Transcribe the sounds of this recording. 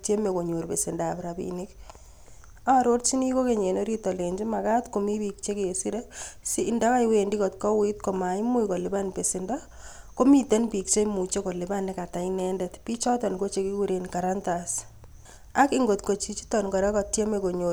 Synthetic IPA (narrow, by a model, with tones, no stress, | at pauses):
tje˦me˨ko˨ɲo˨ɾpe˨sɪ˨ndaː˨pɾa˨bḭni˦k | a˦ɾo˦ɾt͡ʃi˦ni˦ko˦ke˨ɲe˨no˦ɾitɔ˨le˨ɲd͡ʒi˦ma˨katko˨mi˦bi˨k̚t͡ʃe˦ke˨si˦ɾesiːnda˦ka˦jwe˨ndi˦kɔ˨tkɔ˦witko˨ma˨i˦mu˦jko˨lɪba˦npe˨sɪnda˦ | ko˦mi˦te˦npi˨k̚t͡ʃe˦i˦mu˨t͡ʃe˦ko˨lɪ˨ba˦nːɪka˨ta˨inɛndɛtpi˦t͡ʃɔ˦tɔ˨nko˦t͡ʃe˦ki˦ku˦ɾe˨nka˨ɾantas | a˦kɪŋɡo˨tko˨t͡ʃi˦t͡ʃi̥˦tɔ˨nkɔ˨ɾɛ˦kɔ˨tje˦me˨ko˨ɲo